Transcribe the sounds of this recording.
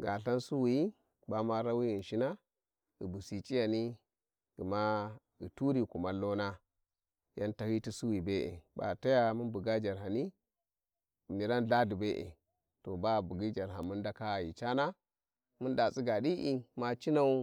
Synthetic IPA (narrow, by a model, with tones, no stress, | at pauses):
ɡa˨ɬa˦nsu˦wi˨i˦ | ba˨ma˦ɾa˦wi˦ji˨nʃi˦na˦ | i˨bu˨si˨t͡ʃʼi˦ja˨ni˦ | ɡi˨ma˦ | i˨tu˦ɾi˨ku˨ma˦lːo˦na˦ | ja˦nta˨hi˦ti˦su˦wi˨be˦ʔḛ˨ba̰˨ta˦ja˦mu˦nbu˨ɡa˦d͡ʒa˨ɾɦa˨ni˦˨ | mi˨ɾa˦nɮa˦du˨be˦ʔḛ˨ | to˨ba˦˨bu˨ɡi˦d͡ʒa˨ɾɦa˨mu˦nda˦ka˦˨ji˨t͡ʃa˦na˦ | mu˦nda˨t͡sʼi˦ɡa˨di˦ʔi˦ma˦t͡ʃi˦na˦u˦